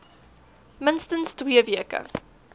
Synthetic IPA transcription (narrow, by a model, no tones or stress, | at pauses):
mɪnstənstwiəviəkə̰